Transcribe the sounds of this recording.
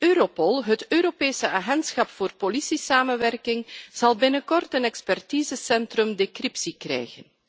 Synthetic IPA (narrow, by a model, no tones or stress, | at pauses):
øːɾopɔlˠɦətøːɾopeːsəʔaːɣɛntsxɑpfoːrpolisisaːmənʋɛrkɪŋz̥ɑlˠbɪnəkɔrtənɛkspɛrtiːzəsɛntrɵmdekrɪpsikrɛ̰jɣən